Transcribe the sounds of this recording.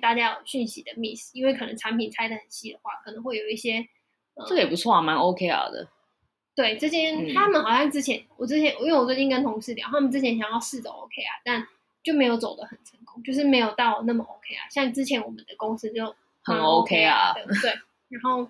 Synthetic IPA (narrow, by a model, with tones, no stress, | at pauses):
t̪a˥˩t͡ɕja˦˥jo˨˩ʊɕy˥˩nɕi˧˥d̪ə˨mi˥˩s̩˨˩i˥nwe˥˩ɪkʰɤ˨˩nə˧˦ŋʈ͡ʂʰa˧˥npʰi˨˩nt͡sʰa˥ɪd̪ə˨xə˨˩nɕi˥d̪ə˨xwa̰˥˩kʰɤ˨˩nə˧˥ŋxwe˥˩ɪjo˨˩ʊi˥˩ɕjɛ˥ | ə˩ʈ͡ʂɤ˥ɡə˧jɛ˨˩pu˦˥t͡sʰwɔ˥˩˨ma˧˦no˧ʊkʰe˥ɪa̰˨˩d̪ə̰˩ | t̪we˥˩ɪʈ͡ʂɤ˥˩t͡ɕʰjɛ˥nt̪ʰa˥mə˨nxɑ˨˩ʊɕjɑ˥˩ŋʈ͡ʂɻ̩˥t͡ɕʰjɛ˧˦nwɔ˨˩ʈ͡ʂɻ̩˥t͡ɕʰjɛ˧˦n˨i˥we˩wɔ˨˩t͡swe˥˩t͡ɕi˥˧ŋkə˥nt̪ʰʊ˧˥ŋʂɻ̩˥˩t̪jɑ̰˨˦t̪ʰa˥mə˨nt͡sɻ̩˥t͡ɕʰjɛ˧˥nɕjɑ˨˩ŋjɑ˥˧ʊʂɻ̩˥˩ʈ͡ʂə̰˨˩o̰˧˥ʊkʰe˥ɪa̰˨˩t̪a˥˩n | t͡ɕjo˥˩ʊme˧˥jo˧˥ʊt͡so˨˩d̪ə˦xə˨˩nʈ͡ʂʰə˧˦ŋkʊ˦˥ŋt͡ɕjo˥˧ʊʂ̬ɻ̩˥˩me˧˥ɪjo˨˩ʊt̪ɑ˥˩ʊ˩na˥˩mə˨˩ʔo˧˥ʊkʰe˥ɪa̰˨˩ɕjɑ˥˩ŋʈ͡ʂɻ̩˥t͡ɕʰjɛ˧˥nwɔ˨˩mə˦nd̪ə˨kʊ˦˥ŋs̩˥t͡ɕjo˥˩ʊ | hə˨˩no˦ʊkʰe˦ɪa̰˨˩˧t̪we˥˩ɪ | ɻa˧˦nxo˥˩ʊ